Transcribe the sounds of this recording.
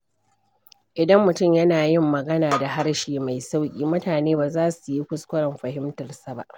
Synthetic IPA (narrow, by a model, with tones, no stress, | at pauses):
ʔɪ˨dɐ˦mːʊ˨tʊ˦˨mjɐ˦naː˨jɪ˦mːɐ˨ɡɐ˦naː˨da˨ɦa˦rʃeː˨ma˨jsa˦wkʲʼḭː˦mʊ˦taː˨neː˦baː˨zaː˦su˨ji˦kʷʊ˦skʷʊ˦ɽɐ˨mɸɐ˨ɦɪ˦mtɐ˨rsa˨ba̰˦ʔ